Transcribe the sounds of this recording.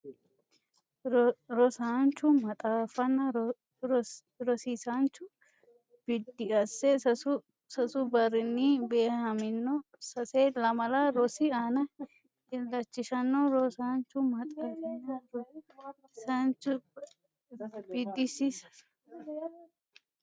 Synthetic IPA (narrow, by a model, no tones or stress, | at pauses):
ɾɔsaːnt͡ʃːʊmɐt̪ʼaːfɐnːɐ | ɾɔsisant͡ʃːʊ | b̥ɪd̪ːɪɐsːɛ | sɐsʊbɐɾɪnːiːbeːhɐmɪnːɔ | sɐseːlɐmɐlaːɾɔsɪaːnɐ | ɪlːɐt͡ʃːɪʃɐnːɔɾɔsaːnt͡ʃːʊmɐt̪ʼaːfɐnːɐ | sɐnt͡ʃʊ | b̥ɪd̪ːɪsisɐ̥